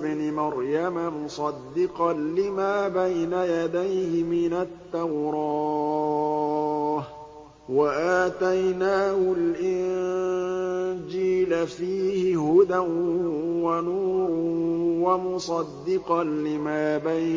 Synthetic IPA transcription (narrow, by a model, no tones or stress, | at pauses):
bnɪmɑɾjamamʊsˤɑd̪ːɪqɑlɪmaːbajnajad̪ajhɪmɪnat̪ːawɾˤɑː | h | waʔaːt̪ajnaːhʊlʔɪn | d͡ʒiːlafiːhɪhʊd̪anwanuːɾwamʊsˤɑd̪ːɪqɑnlɪmaːbaj